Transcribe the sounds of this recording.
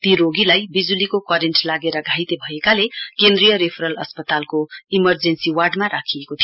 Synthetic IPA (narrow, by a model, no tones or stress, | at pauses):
t̪iɾoɡilajbid͡zulikokwʌɾenʈlaɡeɾʌɡʱajt̪ebʱʌekalekend̪rijʌɾepʰɾʌlʌspʌt̪alkoimʌrd͡zensiwarɖmaɾakʰiekot̪ʰio